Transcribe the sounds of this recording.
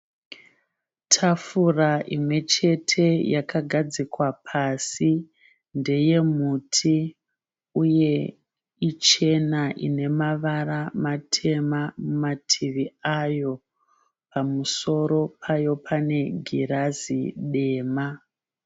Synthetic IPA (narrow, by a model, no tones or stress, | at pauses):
tʰafuraʔimwe̞t͡ʃe̞tʰe̞jakaɡʱad͡zikwapʰasi | nde̞je̞mutʰi | uje̞ | it͡ʃe̞naʔḭne̞maʋaramatʰe̞mamumatʰiʋiajo̞ | pʰamuso̞ɾo̞pʰajo̞pʰane̞ɡʱiɾazḭɗe̞ːma